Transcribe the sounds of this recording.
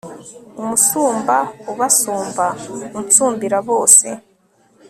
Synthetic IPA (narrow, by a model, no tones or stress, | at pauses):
umusuːmbauβasuːmbaut͡suːmbiɾaβo̞ːsḛ